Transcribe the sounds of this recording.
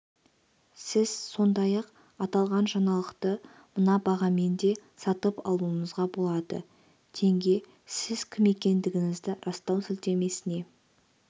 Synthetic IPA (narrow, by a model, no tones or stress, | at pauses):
sɪz̥so̞nd̪ɑjɑq | ɑt̪ɑlˠʁɑnʒɑnɑlˠəqt̪ə | mənɑbɑʁɑme̞nd̪e̞sɑt̪əpɑ̰lˠuəɴəzʁɑbo̞lˠɑd̪ə̰ | t̪ʰe̞ŋɡʲe̞ | sɪzkʲʰɪme̞kʲe̞nd̪ɪɡʲɪŋɪzd̪ɪɾɑst̪ɑwsɪlt̪e̞me̞sɪne̞